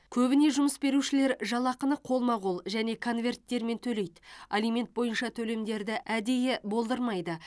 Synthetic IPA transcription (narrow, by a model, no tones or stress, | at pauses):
kʲʰɵbɪne̞ʒʊməsbe̞ɾuʃɪle̞ɾʒɑlˠɑqənəqʰo̞lˠmɑʁulˠʒæne̞kʰo̞nvʲe̞rt̪ːe̞ɾme̞nt̪ʰɵle̞jt̪alijme̞nt̪̚bo̞jənʃɑt̪ʰɵle̞md̪e̞ɾd̪ɪʔæd̪e̞jɪbo̞lˠd̪əɾmɑjd̪ə